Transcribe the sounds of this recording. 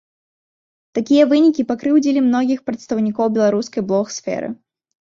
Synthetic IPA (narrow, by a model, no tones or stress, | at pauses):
t̪akʲijɐvɨnʲikʲipakɾɨwd͡zʲilʲimnɔɣʲixpɾɐt̪st̪ɐwnʲikɔwbʲɛlˠaɾuskɐjblˠɔxsfʲɛ̰ɾɨ̰